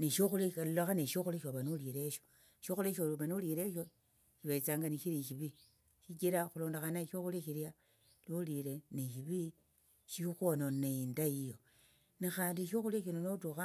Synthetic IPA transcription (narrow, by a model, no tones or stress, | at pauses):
niʃoxulilloxaneʃoxuliʃoβanuliɾe̞ʃo | ʃoxuleʃoluβanulile̞ʃo | ʃiβet͡saːŋɡaniʃiɾiʃiβi | ʃikiɾaxuloːndaxanaʃoxuliʃilja | lolileniʃ̬iβi | ʃixononeindajijo | nixaːndiʃoxuliaʃinonotuxa